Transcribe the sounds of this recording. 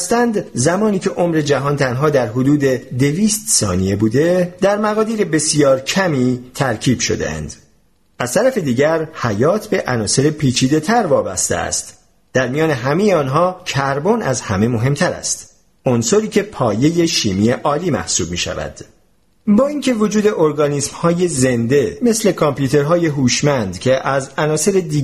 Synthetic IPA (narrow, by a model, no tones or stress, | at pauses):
st̪ænd̪zæmɒːniːcʰe̞ʔo̞mɾe̞d͡ʒæɦɒːnt̪ʰænɦɒːd̪æɾɦod̪uːd̪e̞d̪e̞viːst̪sɒ̰ːnije̞buːd̪e̞d̪æɾmæɣɒːd̪iːɾebe̞sijɒːɾcʰæmiːt̪ʰæɾcʰiːb̥ʃo̞̰d̪ḛæ̰nd̪̥ | æz̥t̪ʰæɾæfe̞d̪iːɟæɾhæjɒːt̪ʰbe̞ʔænɒːse̞ɾepʰiːt͡ʃʰiːd̪e̞t̪ʰæɾvɒːbæst̪ḛæ̰st̪ | d̪̥æɾmijɒːne̞ɦæmejeɒːnɦɒːcʰæɾbonæzhæme̞mo̞ɦe̞mt̪ʰæɾæ̰st̪ | onso̞ɾiːcʰe̞pʰɒːje̞je̞ʃiːmiːjeʔɒːliːmæ̰hsuːb̚miːʃæ̰væ̰d̪̥ | bɒːiŋcʰe̞vod͡ʒuːd̪e̞ʔoɾɡɒːniːsmhɒːje̞ze̞nd̪e̞me̞sle̞kʰɔmpjuːt̪ʰe̞ɾɦɒːje̞ɦuːʃmænd̪cʰe̞ʔæzænɒːse̞ɾed̪iː